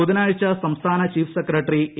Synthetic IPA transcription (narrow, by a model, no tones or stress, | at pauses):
ud̪ɐnaːjit͡ʃɐsɐmst̪ʰaːnɐt͡ʃiːpʰsekɾɐʈɾi